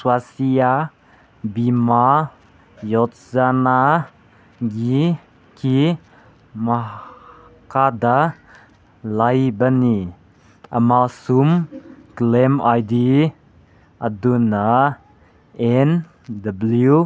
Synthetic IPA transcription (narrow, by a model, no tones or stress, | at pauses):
swasia | bima | jɔtzana | ɡi | ki | ma | kada | lajbani | ʔə̰masumklɛmajdi | ʔaduna | ɛn | dablu